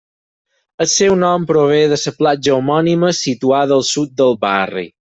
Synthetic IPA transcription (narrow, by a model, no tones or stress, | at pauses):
əsewnɔmpɾoβ̞eðəsəplad͡ʒəumɔniməsit̪uaðəːlˠsut̪̚d̪əlˠβa̰rḭ